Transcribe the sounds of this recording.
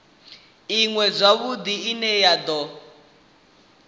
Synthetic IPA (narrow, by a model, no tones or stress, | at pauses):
iŋwɛb͡ʐʷaβud̪iinɛjad̪ɔ